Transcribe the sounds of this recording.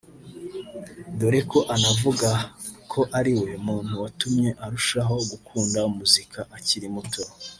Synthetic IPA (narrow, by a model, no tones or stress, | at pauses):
doɾekʰo̞ʔanavuɡakʰo̞ʔaɾiwe̞muːn̥huwatumɲe̞ʔaɾuʃaɦo̞ɡukʰuːndaumuzikʰaʔaciɾimuto